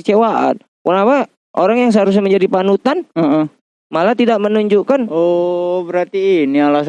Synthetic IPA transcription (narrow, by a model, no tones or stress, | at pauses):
t͡ʃewaʔa̰n | punapa | ʔoɾaŋjaŋs̬əaɾus̬aməɲd͡ʒadipanut̪anə | malat̪idaʔ̚mənuɲd͡ʒukanobəɾart̪iːniala